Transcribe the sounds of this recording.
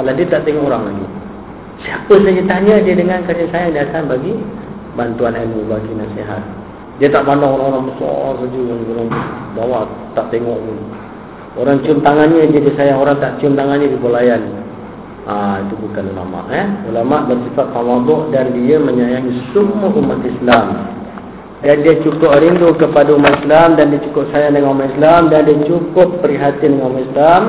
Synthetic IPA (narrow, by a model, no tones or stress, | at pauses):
aladiət̪aʔt̪eŋɔʔoɾaŋlad͡ʒḭ | siapəsad͡ʒət̪aɲadiədəŋankaɾiansajaŋdiakanbaɡi | bant̪uanamubaɡinaseɦa̰t̪̚ | diət̪aʔpandaŋoɾaŋoɾaŋbəsɔ̰rsad͡ʒuɡanɡəlaŋbawaʔt̪aʔt̪eŋɔʔmun | oɾaŋt͡ʃiʊmt̪aŋanɲəd͡ʒadisajaŋoɾaŋt̪aʔt͡ʃiʊmt̪aŋanɲədibolajan | ait̪ubukanula̰ma̰ʔɛulamaʔbərsifat̪ːawabɔʔdandiəməɲajaŋisumːəʔumat̪islam | dandiət͡ʃukʊp̚ɾindukəpadaumat̪islamdandiat͡ʃukʊp̚sajaŋdəŋanumat̪islamdandiat͡ʃukʊpːəɾiɦat̪idəŋanumat̪islam